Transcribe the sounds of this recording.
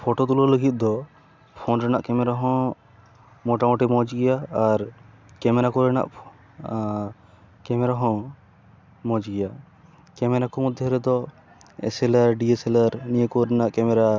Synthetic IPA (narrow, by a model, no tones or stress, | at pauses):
pʰɔʈot̪ulɔləɡit̪̚d̪ɔ | pʰɔnɾɛnaʔkɛmɛɾaɦɔ̃ | mɔʈamɔʈimɔ̃d͡ʒɡɛjaːɾ | kɛmɛɾakɔɾɛna̰ʔ | kɛmɛɾaɦɔ̃ | mɔ̃d͡ʒɡɛja | kɛmɛɾakɔmɔd̪ʱːjɔɾɛd̪ɔ | ɛ̰sɛlaɾɖiesɛlaɾnijekɔɾɛnaʔkɛmɛɾa